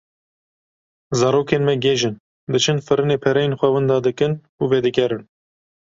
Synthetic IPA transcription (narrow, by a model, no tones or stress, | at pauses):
zɑːɾoːkeːnmɛɡeːʒɨn | d̪ɨt͡ʃʰɨnfɨɾɨneːpʰɛɾɛjenxʷɛwɨnd̪ɑːd̪ɨkɨn | uved̪ɨkʲɛɾɨn